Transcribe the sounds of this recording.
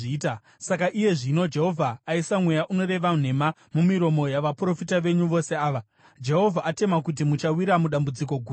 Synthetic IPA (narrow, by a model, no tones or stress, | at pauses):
iːta | sakaʔije̞ʐino̞d͡ʒe̞ɦo̞vʱaːisamwe̞jaʔuno̞ɾe̞ʋan̤e̞ma | mumiɾo̞mo̞jaʋapro̞fitaʋe̞ɲuʋo̞seaːʋa | d͡ʒe̞ɦo̞vʱaate̞makut̬imut͡ʃawiɾamuɗambud͡ziko̞ɡʱuː